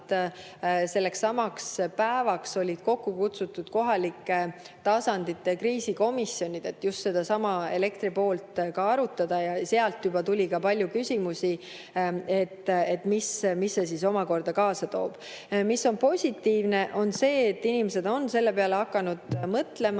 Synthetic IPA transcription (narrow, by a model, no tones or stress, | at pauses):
se̞lːe̞ksːɑmɑkspæevɑkso̞lʲid̪̥ko̞kːukut̪sut̪ˑːud̪̥ko̞ɦɑlikːˑe | t̪ɑsɑnd̪̥it̪ːˑekriːsiko̞misːjo̞nʲid̪̥e̞t̪ːjust̪se̞d̪̥ɑsɑmɑe̞le̞kt̪ɾipo̞ːlt̪kɑɑɾut̪ˑːɑd̪̥ɑjɑse̞ɑlt̪jub̥ɑt̪ulʲikɑpɑlʲjukysʲimusi | e̞t̪ːet̪ːmismisːe̞siso̞mɑko̞rd̪̥ɑkɑːsɑt̪o̞̰ːb̥ | misːo̞npo̞sʲit̪ːiːvne̞ʔo̞nse̞ːt̪ːinʲimese̞d̪̥o̞nse̞lːe̞pe̞ɑle̞ɑkːˑɑnud̪̥mɤt̪le̞mɑ